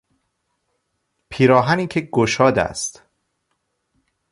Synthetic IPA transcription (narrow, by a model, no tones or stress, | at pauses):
pʰiːɾɒːɦæniːcʰeɡoʃɒːd̪æ̰st̪